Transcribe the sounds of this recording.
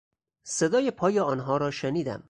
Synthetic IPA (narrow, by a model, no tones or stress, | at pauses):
se̞d̪ɒːjepʰɒːjeɒːnɦɒːɾɒːʃeniːd̪æ̰m